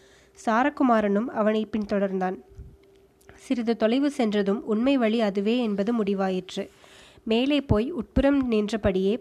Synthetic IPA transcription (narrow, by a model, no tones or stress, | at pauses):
saːɾɐkːʊmaːɾɐnɯmɐʋɐnɐɪpːɪnt̪ɔɽɐɾnd̪aːn | sɪɾɪðɯt̪ɔlɐɪʋɯsɛndrɐðɯmʊɳmɐɪʋɐɭiɐðɯʋeːɛnbɐðɯmʊɽɪʋaːjɪʈrɯmeːleːpoːjʊʈ̚pɯɾɐmniːndrɐpɐɽɪjeː